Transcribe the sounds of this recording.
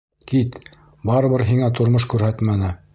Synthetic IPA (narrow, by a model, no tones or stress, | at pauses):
kit̪ | bɑɾɤ̆βɤɾɦiŋæt̪ŏɾmoʃkʉɾhæt̪mænɘ